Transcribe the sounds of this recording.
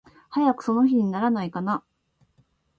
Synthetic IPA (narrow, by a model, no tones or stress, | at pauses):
hajakɯ̟̥so̞no̞çiɲ̟inaɾanaikana